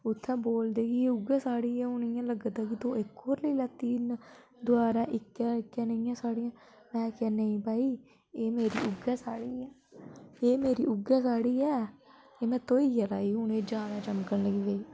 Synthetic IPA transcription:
ʊt̪ʰːɛ̃ːboːld̪eːkɪːʊɡãːsaːɽiːɛːʊnɪjãːləɡd̪aːkɪt̪õːɪkːoːɾləiːlət̪iːn | d̪ʊaːɾãːʔɪkːãːɪkːjãːnəiːãːsaːɽijãː | mɛ̃ːkaːnəĩːpaːiː | eːmeːɾiːʔʊɡɛːsaːɽiːɛː | eːmeːɾiːʔʊɡɛ̃ːsaːɽiːɛː | eːmɛ̃ːt̪oːiːjaːlaːiːɦʊneːd͡ʒaːd̪aːt͡ʃəmkəɳləɡiːɡəiː

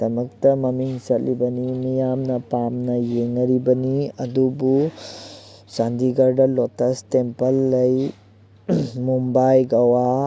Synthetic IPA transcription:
tɐmɐk̚tɐmɐmiŋsɐtlibɐnimijamnɐpamnɐjeŋɐɾibɐniɐd̪ubu | sand̪iɡɐɾdɐlotɐstempɐlːɐj | mumbajɡawa

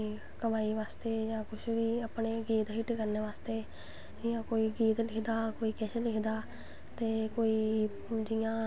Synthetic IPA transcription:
kəmaːiːʋaːst̪eːjãːkʊʃʋiːapɳeːɡiːt̪ɦɪʈkəɾneːʋaːst̪eː | ɪjãːkoːiːɡiːt̪lɪkʰd̪aːkoːiːkɛːʃlɪkʰd̪aː | t̪eːkoːiː | d͡ʒɪjãː

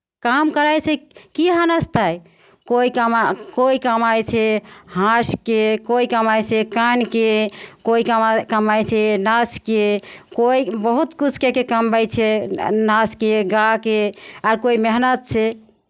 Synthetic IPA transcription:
kamkəɾajt͡ʃʰɛkiɦanəst̪aj | koikamakoikəmajt͡ʃʰɛhãskekoikəmajt͡ʃʰɛkankekoikəmakəmajt͡ʃʰɛnaskekoibəɦut̪kut͡ʃʰkekekəmbəjt͡ʃʰɛnaskeɡakeaɾkoimeɦnət̪̚t͡ʃʰɛ

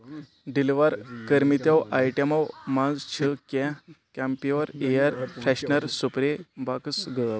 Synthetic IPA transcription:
ɖiliʋaɾkəɾmit̪jawʔajʈemawmãd͡zt͡ɕʰəkɛ̃kampiʋəɾejaɾfʰɾɛɕnəɾsupɾebaksɡə

